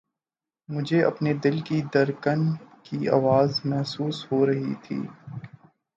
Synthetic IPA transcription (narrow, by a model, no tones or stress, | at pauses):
mʊd͡ʒʱeɐ̰pned̪ɪlkid̪ɐɾkənkia̰ːʋaːzmɛɦsuːsɦoɾɐɦḭt̪ʰḭː